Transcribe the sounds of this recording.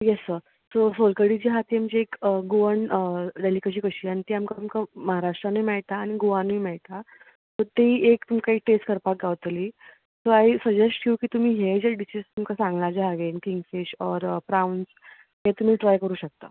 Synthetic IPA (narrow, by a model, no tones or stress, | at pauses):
jɛsːəɾ | sosolkəɽit͡ɕiːɦat̪ʰiamt͡ɕiekəɡuʋəɳəɖelikeɕ̬iːkəɕiːañit̪iːamkamkaməɦaɾaʂʈɾanimɛɭt̪aːɽ̃iɡuʋanimɛɭt̪a | t̪ɔɾt̪eiekt̪umkaɦiʈesʈkəɾpak̚ɡaʋt̪li | soaisəd͡ʑesʈkʰiukiːt̪um̤iːɦed͡ʑeɖiɕist̪umkasãŋɡlad͡ʑeaɡenkiŋɡfiɕɔɾpɾawns | ɦet̪um̤iːʈɾajkəɾuːɕək̚t̪ə̰